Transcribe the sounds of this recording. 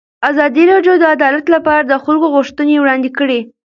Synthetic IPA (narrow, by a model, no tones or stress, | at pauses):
azɑd̪iɾɑɖjod̪əad̪ɑlat̪lapɑɾad̪əxəlɡoɣʊʃt̪ənewɽɑnd̪ɪkəɽe